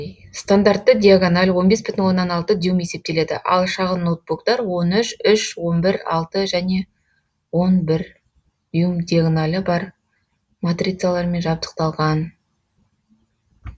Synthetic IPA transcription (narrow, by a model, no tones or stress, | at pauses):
st̪and̪art̪ːəd̪ʲijaɡonalʲwo̞nbe̞sbɪt̪ɪnwo̞nːɑnɑlˠt̪əd̪jume̞se̞p̚t̪e̞le̞d̪ɪ̰ʔɑ̰lˠʃɑʁənːowt̪̚bukt̪ɑɾwo̞nʏʃʏʃwo̞nbɪɾɑ̰lˠt̪əʒæne̞ | wo̞nbɪɾ | d̪jumd̪ʲijaɡnalʲəbɑɾ | mat̪rʲit̪sɨjalˠɑɾme̞nʒɑp̚t̪ə̥q̚t̪ɑlˠʁɑn